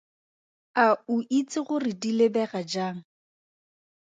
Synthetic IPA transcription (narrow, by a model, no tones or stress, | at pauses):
aʊʔit͡sʼɪχʊrɪdilebɛχad͡ʒaːŋ̩